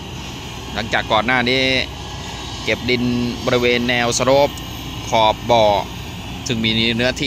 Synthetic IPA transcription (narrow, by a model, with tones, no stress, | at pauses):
la˦˥ŋt͡ɕaː˨˩kːɔː˨˩nːaː˥˩niː˦˥˩ | ke˨˩p̚di˧nbɔː˧ɾi˦˧weː˧nːɛː˧wsa˧ɾo˦˥˩p̚ | kʰɔː˨˩p̚bɔː˨˩ | t̪ʰɯ˨˩ŋmiː˧nɯ˦˥ɐt̪ʰiː˧